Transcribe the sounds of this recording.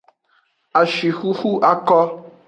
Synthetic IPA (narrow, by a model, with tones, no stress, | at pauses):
a˨ʃi˨xu˦xu˦ʔa˦kɔ˦